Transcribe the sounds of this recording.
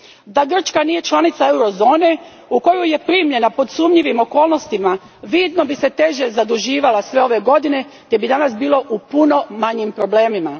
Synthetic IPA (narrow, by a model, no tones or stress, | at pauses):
d̪aɡr̩t͡ʃkanije̞t͡ʃlˠanit̪sae̞wɾo̞zo̞ːne̞ | uko̞juje̞pɾiːmʎe̞napo̞d̪suːmʎiʋimo̞ko̞ːlˠno̞st̪ima | ʋiːd̪no̞bise̞t̪e̞ʒezad̪uʒiːʋalasʋe̞o̞ʋe̞ɡo̞d̪ine̞t̪e̞bid̪anasbiːlˠo̞ʔupuno̞maɲimpɾo̞ble̞ːmima